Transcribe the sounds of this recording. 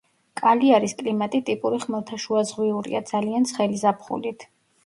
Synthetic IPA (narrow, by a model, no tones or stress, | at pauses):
kʼaliaɾiskʼlimat̪ʼit̪ʼipʼuɾiχmɛlˠt̪ʰaʃuazʁwiuɾḭa̰d̪zaliant̪sʰχɛlizapʰχṵlit̪ʰ